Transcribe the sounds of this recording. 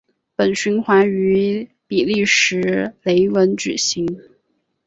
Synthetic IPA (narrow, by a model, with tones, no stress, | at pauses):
pə˨˩nɕy˧˥nxwa˧˥ny˧˥ | pi˨˩li˥˩ʂɻ̩˧˥le˧˥ɪwə˧˥nʈ͡ʂɻ̩˨˩ɕi˧˥ŋ